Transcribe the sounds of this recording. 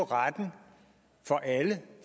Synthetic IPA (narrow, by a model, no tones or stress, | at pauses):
ʁad̥n̩ | fɒ̽ʔæləf